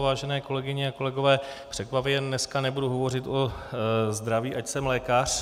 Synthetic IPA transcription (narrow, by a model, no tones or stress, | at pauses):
vaːʒɛnɛːko̞lɛɡɪɲɪako̞lɛɡo̞vɛːpr̝̥ɛkvapjɛdnɛskanɛbuduɦo̞vo̞rɪt̪ʔo̞zd̪ɾaviːʔacsɛmlɛːkar̝̥